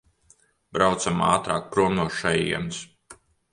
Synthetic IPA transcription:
bɾawt̪sama̰ːt̪ɾaːk̚pɾuɔmnuʃajijɛ̰ms

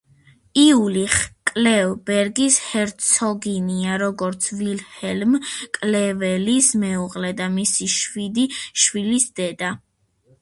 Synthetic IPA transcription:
iuliχkʼlɛvbɛɾɡishɛɾt̪sʰɔɡiniaɾɔɡɔɾt̪sʰvilhɛlmkʼlɛvɛlismɛuʁqʼlɛd̪amisiʃwid̪iʃwilisd̪ɛd̪a

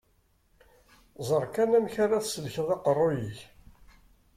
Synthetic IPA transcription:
zˤəɾˤkænæmçaɾaθsəlçəðˤɑqərˤːojiç

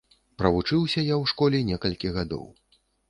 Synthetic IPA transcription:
pɾɐvut͡ʂɨwsʲɐjawʂkɔlʲɛnʲɛkɐlʲkʲiɣad̪ɔ̰w

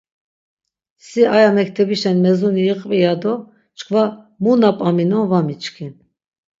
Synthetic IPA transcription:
siʔajamɛk̚ʰt̪ʰɛbiʃɛnmɛzuniːqʼvijad̪ɔ | t͡ʃkʰʼva | munapʼaminɔnvamit͡ʃkʰin

